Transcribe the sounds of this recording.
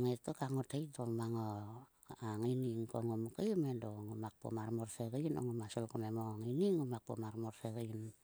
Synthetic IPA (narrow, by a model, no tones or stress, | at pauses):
ŋetokaŋotejtomaŋo | aŋiniŋkoŋumukajmendoŋumak̚po̰marmorsekeino̰ŋumasolkumemoŋiniŋumak̚pomarmoɾsekan